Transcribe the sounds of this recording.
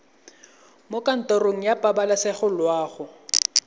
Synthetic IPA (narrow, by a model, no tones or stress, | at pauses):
mokʼan̩tʼɔroŋ̩japʼabalasɪχʊlwaːχʊ